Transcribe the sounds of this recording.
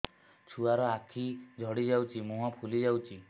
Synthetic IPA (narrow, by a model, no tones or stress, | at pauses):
t͡ʃʰuaɾɔakʰid͡ʒʱɔɽid͡ʒawt͡ʃʰimũɦɔpʰulid͡ʒawt͡ʃʰi